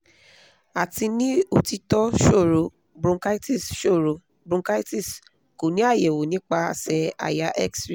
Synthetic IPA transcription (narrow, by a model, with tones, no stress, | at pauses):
a˨ti˧nĩ˦o˨ti˧tɔ˦ʃo˦˨ɾo˨ | bɾũ˧ka˦i˦ti˦˨sʃo˦˨ɾo˨ | bɾũ˧ka˦i˦ti˦˨s | ko˨nĩ˦a˦˨je˨wo˨nĩ˦k͡pa˧˦a˧˨sɛ˧a̰˨ja˧ʔɛ˦ksɾi˦˨